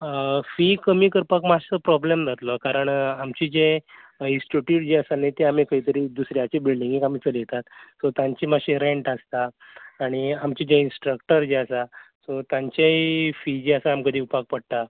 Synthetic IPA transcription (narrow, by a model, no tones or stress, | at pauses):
fikəmiːkəɾpakmast͡səpɾɔblemd͡zʱat̪lɔkaɾəɳamt͡ɕid͡ʑẽ | insʈuʈjuʈd͡ʑeəsanet̪eamikəɦit̪əɾiːd̪usɾjat͡ɕibilɖĩŋɡikam̤iːt͡səljet̪at̪sɔt̪jaɲt͡ɕimaɕeɾeɳʈəst̪aː | ɽ̃iamt͡ɕid͡ʑẽinsʈɾək̚ʈəɾd͡ʑeəsasɔt̪jãɲt͡ɕeifid͡ʑeəsaːmkəd̪ʱiːupak̚pəɽt̪a